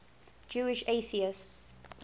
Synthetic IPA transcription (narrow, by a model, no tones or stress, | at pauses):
d͡ʒuːɪʃeːθiɪsts